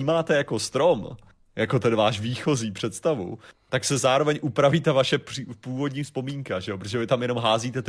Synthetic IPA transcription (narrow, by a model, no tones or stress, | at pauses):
imaːt̪ɛjako̞st̪ɾom | jako̞t̪ɛnvaːʃviːxo̞ziːpr̥ɛt̪st̪avṵt̪aksɛzaːɾovɛɲʔupɾaviːt̪avaʃɛpripuːvo̞d̪ɲiːfspo̞miːŋkaʒɛjopɾot̪oʒɛvɪt̪amjɛno̞mɦaːziːt̪ɛt̪